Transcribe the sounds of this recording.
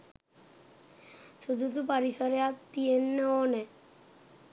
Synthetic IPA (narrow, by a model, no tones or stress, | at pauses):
ʃud̪ʱut̪upaɾisaɾeat̪ːienːɛonɛ